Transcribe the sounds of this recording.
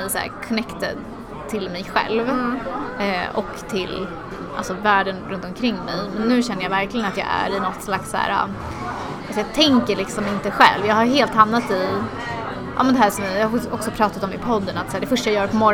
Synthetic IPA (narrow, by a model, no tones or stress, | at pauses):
ɛsæ̰ːɾkʰɔnɛkt̪ə̰ | t̪ʰɪlmɛjɧɛ̰lv | ʔɔ̰kt̪ʰɪl | ʔa̰lsɔvæːɖənɾɵnt̪ɔmkʰɾɪŋːmɛjmɛnːʉ̟ːɕɛnːəjɑvæɾklɪɡənat̪jɑ̰ːæ̰ɾɪnɔt̪ːslaksːæ̰ːɾa̰ | at̪jɑːt̪ʰɛŋkəɭɪksɔmɪnt̪əɧɛ̰lvjɑːɡhaɾɦeːlt̪hamnat̪ɪ | ʔa̰mɛnd̪ɛɦæːʂɔmɪjɑːhaɔksɔpʰɾɑːt̪at̪ɔmːɪpʰɔd̪ːənat̪sæːɖɛfœʂʈajajœːɾpʰɔmɔɾ